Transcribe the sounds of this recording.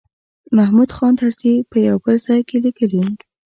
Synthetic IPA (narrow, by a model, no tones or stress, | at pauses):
mahmud̪xɑnt̪aɾt̪ipəjawbəlzɑjkelikəli